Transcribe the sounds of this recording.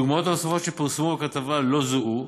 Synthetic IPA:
uɡmao̞t̪amosafo̞t̪ʃepiʁsemubekat̪avalo̞zuʔu

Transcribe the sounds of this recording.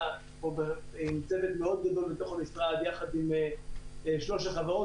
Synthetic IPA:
obeimt͡sevet̪meo̞d̪̚ɡado̞lbet̪o̞χamisʁad̪jaχad̪ime | ʃloʃaχavaʁo

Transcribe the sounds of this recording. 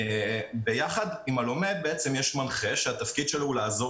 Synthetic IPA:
ebejaχad̪imalo̞me̞beet͡semjeʃmanχe̞ʃeat̪afkid̪ʃeloulaːzo

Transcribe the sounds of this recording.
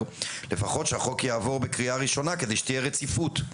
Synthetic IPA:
le̞faχo̞tʃeaχo̞kjaːvo̞ʁbekʁiaʁiʃo̞nakedejʃe̥t̪ijeʁet͡sifut̪

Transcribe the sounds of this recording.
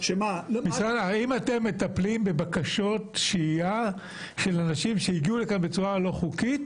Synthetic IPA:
ʃemamisʁalaimate̞mːe̞t̪aplimbe̞bakaʃo̞tʃia | ʃe̞lanaʃimʃejiɡiulekanbet͡suʁalo̞χukit̪

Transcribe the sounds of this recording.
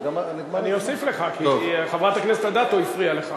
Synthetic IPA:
ɡamnimanio̞sifle̞χakioχavʁat̪akneset̪ad̪at̪oifʁialeχa

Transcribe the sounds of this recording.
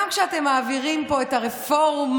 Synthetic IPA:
mkʃeate̞mːaːviʁimpo̞etaʁeffo̞ʁm

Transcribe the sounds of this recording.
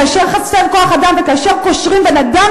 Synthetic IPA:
aʃeʁχat͡sevko̞aχad̪amvekaʃeʁko̞ʃʁimvenad̪a

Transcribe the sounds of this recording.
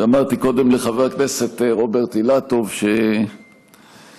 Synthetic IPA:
amaʁt̪iko̞d̪e̞mleχaveʁknese̞t̪eʁo̞beʁt̪ilat̪o̞vʃe

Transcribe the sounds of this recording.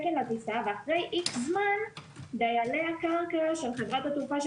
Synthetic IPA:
kelaisaveaχʁe̞jʔiʃzmand̪ajaleakaʁkaʃelχevʁat̪hat̪ufaʃ

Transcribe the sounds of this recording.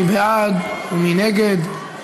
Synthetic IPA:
ibɛad̪uminɛɡɛd̪

